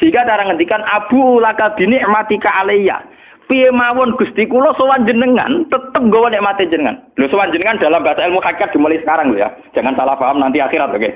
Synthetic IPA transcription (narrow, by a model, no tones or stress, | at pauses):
siŋɡat͡ʃaɾaŋənt̪ikanʔab̥ṳlakad̪̥i̤nɪʔmat̪ikaaleja̰ | piemawɔnɡ̥ust̪ikulɔsəwaɲd͡ʒənəŋa̰nt̪ət̪əp̚ŋɡɔwɔneʔmat̪iɲd͡ʒənəŋa̰nlosəwaɲd͡ʒənəŋand̪̥a̤lamb̥aasailmuhakiat̪̚d̪̥i̤mulaisəkaɾaŋloja̰d̥ʒ̥a̤ŋansalafaɦəmnant̪iaχiɾat̪̚oke